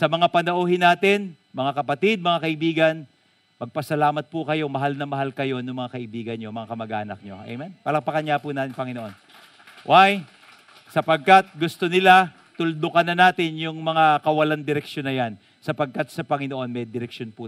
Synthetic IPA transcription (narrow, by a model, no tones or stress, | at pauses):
sɐmɐŋapɐnɐʔuːhɪnaːt̪ɪn | mɐŋakɐpɐt̪id̪̚mɐŋakɐʔɪbiːɡɐn | mɐɡ̚pɐsɐlaːmɐt̪̚pʊkɐjo̞mɐɦalnɐmɐɦalkɐjo̞nʊŋmɐŋakɐʔɪbiːɡɐnɲo̞mɐŋakɐmɐɡa̰ːnɐk̚ɲoʔɛ̰mɛnpɐlɐŋpɐkɐnɲjapunaːt̪ɪŋpɐŋɪnoʔo̞n | wʔaj | sɐpɐɡ̚kat̪̚ɡʊst̪o̞nɪla | t̪ʊld̪okɐnːɐnaːt̪ɪnjʊŋmɐŋakɐwɐland̪ɪɾɛkʃonːɐjan | sɐpɐɡ̚kɐt̪̚sɐpɐŋɪnoʔo̞nmɛd̪ɪɾɛkʃonpu